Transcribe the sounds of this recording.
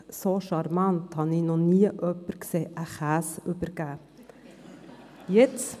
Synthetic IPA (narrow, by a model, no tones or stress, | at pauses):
soʃɑɾmɑnt̪hɑninɔniːəʔœpəɾkseːʔəχæːsʉbəɾɡ̥æː | jɛt͡s